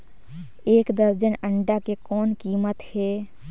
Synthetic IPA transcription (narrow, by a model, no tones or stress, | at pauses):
eːkd̪əɾd͡ʒənəɳɖakekɔːnkiːmət̪heː